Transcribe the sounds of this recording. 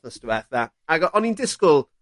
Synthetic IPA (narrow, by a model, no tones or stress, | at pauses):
əstəwɛθða | aɡɔʔɔnindɪskʊlˠ